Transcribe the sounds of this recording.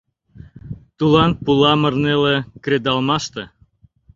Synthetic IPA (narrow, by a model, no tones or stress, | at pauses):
t̪ulɑnpulɑmə̆rnelekred̪ɑlmɑʃt̪ĕ